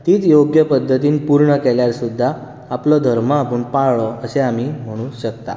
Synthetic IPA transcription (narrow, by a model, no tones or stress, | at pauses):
t̪iːt͡sjoɡjəpəd̪ʱːət̪iːnpuɾɳəkɛljaɾsud̪ʱːaː | plɔd̪ʱəɾmaːpuːɳpaɭɭɔəseam̤iːm̤əɽ̃ũɕək̚t̪a̰